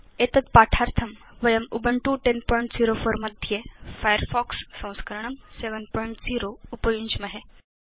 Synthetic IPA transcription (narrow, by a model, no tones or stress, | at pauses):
et̪ɐt̪̚paːʈʰaːɾt̪ʰɐm | ʋɐjɐmubəɳʈuʈenpɔjɳʈziːɾofəɾmɐd̪ʱjefajəɾfɔːksːɐ̃w̃skəɾɳ̃ɐmseʋənpɔjɳʈziːɾoupɐjuɲt͡ʃmɐɦe